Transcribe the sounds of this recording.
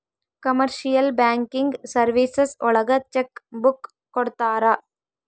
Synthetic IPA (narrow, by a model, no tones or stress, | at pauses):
kɐmɐɾʃɪjɐlbaːŋkɪŋɡsɐɾʋisɐsʊɭɐɣɐt͡ʃɛkbʊkː | ɔɽɯt̪ːaːɾaː